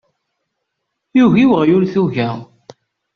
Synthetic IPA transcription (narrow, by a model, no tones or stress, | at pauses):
juʝiwəʁjʊɾθuʝæ